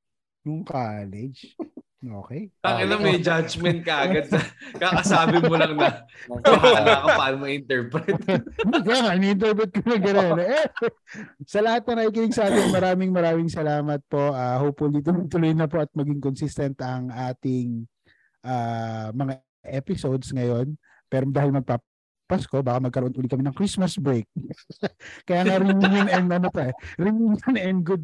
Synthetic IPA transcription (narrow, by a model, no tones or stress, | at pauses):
nʊŋkaːlɛd͡ʒ | ʔo̰ːkɛjɐŋɐnɐŋmɐjd͡ʒad͡ʒmɛnt̪̚kɐʔɐɐd̪̚sɐkakɐsaːbɪmolɐŋnɐɦlakopɐʔaːnmoɪnt̪ɛɹpɾɛt̪ikaŋaʔɪnɛɪnt̪̬ɛɹp̬ɾɛt̪̚konɐŋɡɐɾonʔɛ | sɐlɐhat̪̚nɐnɐʔiːkɪnɪŋsɐaːt̪ɪmɐɾaːmɪŋmɐɾaːmɪŋsɐlaːmɐt̪̚po̞ʔaːhoːpʊliːt̪̬onɐt̪ʊlojnɐpo̞ʔɐt̪̚mɐɡɪŋkonsist̪ɐnt̪ɐŋʔaːt̪ɪŋ | ʔaːmɐŋa | ʔɛpɪsowd̪sŋɐjo̞n | pɛːɾod̪aːhɪlmɐɡ̚pa | pɐsko̞baːkɐmɐɡkɐɾoʔonʔʊlikɐmɛnɐŋkɾismɐsbɾejk̚ | kːɐjaːŋɐɾɪŋɪŋɪnɛnd̪ɐnot̪oʔɛɾɪŋɪŋɐnɛnɡʊd̪̚